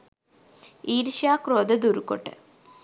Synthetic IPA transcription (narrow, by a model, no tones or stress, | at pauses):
iːɾʂjaːkroːd̪ɐd̪uɾukːo̰ʈːɨ̰